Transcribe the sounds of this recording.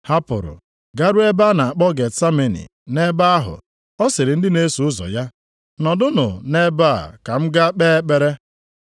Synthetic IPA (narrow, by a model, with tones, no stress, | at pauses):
ha˦pʊ̰˨ɾʊ̰˨ | ɡa˦ɾʊ˦e˦ba˦na˨a˨k͡pɔ˦ɡe˨tsa˦me˨nḭ˨ | ne˦ba˦a˦ɦʊ̰˨ | ɔ˦sɪ˨ɾɪ˨n̩˦dɪ˦ne˦su˨ʊ˦zɔ̰˨ja˦ | nɔ˨dʊ˦nʊ̰˨ne˦ba̰˦˨ka˨m̩˦ɡa˦k͡peː˦k͡pe˨ɾe˦